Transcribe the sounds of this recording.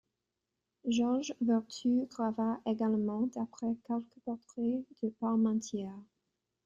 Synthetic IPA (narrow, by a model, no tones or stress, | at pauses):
ʒɔʁʒvɛʁt̪yɡʁavaʔeɡalmɑ̃d̪apχɛkɛlkəpɔʁt̪χɛd̪̥əpaʁmɑ̃t̪jɛʁ